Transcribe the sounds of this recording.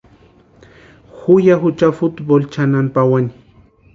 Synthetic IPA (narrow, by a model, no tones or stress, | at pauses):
hʊjaxʊt͡ʃafʊt̪bolt͡ʃananpawani̥